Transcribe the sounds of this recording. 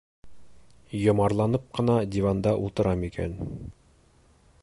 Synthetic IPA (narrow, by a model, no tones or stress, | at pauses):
jŏmɑɾlˠɑnɤp̚qɤ̆nɑd̪ʲivɑnd̪ɑʔulˠt̪ɤ̆ɾɑmikæ̰n